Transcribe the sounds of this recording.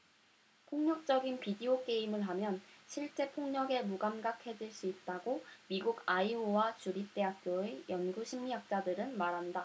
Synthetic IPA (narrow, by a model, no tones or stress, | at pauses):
pʰoŋɲʌk̚t͡ɕ͈ʌɡinpidiok͈e̞imɯɭɦamjʌnɕʰiɭt͡ɕ͈e̞pʰoŋɲʌɡe̞muɡamɡakʰe̞d͡ʑiɭs͈uit̚t͈aɡomiɡuɡaiowat͡ɕuɾip̚t͈e̞ɦak̚k͈joejʌnɡuɕʰimːijak̚t͡ɕ͈adɯɾɯnmaɾɦanda